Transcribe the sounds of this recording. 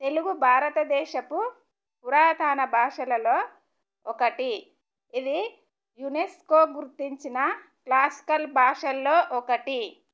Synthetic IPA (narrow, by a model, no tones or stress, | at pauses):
t̪e̞luɡubʱaːɾɐt̪ɐd̪ɛːʃɐku | puɾaːd̪ʱaːnɐbʱaːʂɐlɐlo̞ː | ɔkɐʈi | id̪i | juneskoːɡuɾt̪iɲt͡ʃinɐklaːsi̥kɐlbʱaːʂɐlːo̞ːʔɔkɐʈi